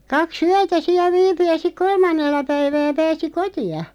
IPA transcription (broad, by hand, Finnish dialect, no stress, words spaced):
kɑks yætæ siæ ʋiːpy jɑ sik kolmɑnːelːɑ pæiʋæː pæːsi kotiɑ